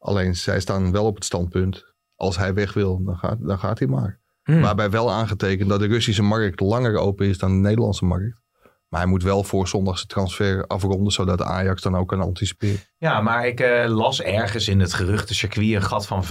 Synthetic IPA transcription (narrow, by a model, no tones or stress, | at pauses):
ʔɑ̰lejnsɛjstaːnʋɛlˠɔpətstɑnt̚pønt | ʔɑlˠsɦɛjʋɛχʋɪlˠdɔnxa̰ːdɔnxa̰ːtimaːɹ | maːbɛjʋɛlˠaːnχətejkəntdɔt̚dərøsis̬əmɑrk̚tlɑŋəro̰wpənɪsdɔndənejdəlˠɑ̰nsəmɑrk̚t | maɦɛjmutʋɛlˠfʊːrsɔndaxsə̥trɑnsfɛːɹɑ̰frɔndənsowdɔtəa̰ːjɑksdɔnowkːɑnɑ̰ntisi̥pɪːrə | jamaːɹɪklɑsɛɹχənsɪnətχərʏχtəsəɹkʋiənχɑtfɑn